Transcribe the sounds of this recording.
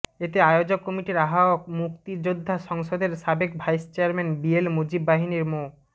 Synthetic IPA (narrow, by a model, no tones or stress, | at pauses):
et̪eajod͡ʑokːɔmiʈiɾaɦaok̚mukt̪id͡ʑod̪ʱːaʃɔŋʃod̪eɾʃabekbʱajst͡ɕeaɾmenbielmud͡ʑibːaɦiniɾmo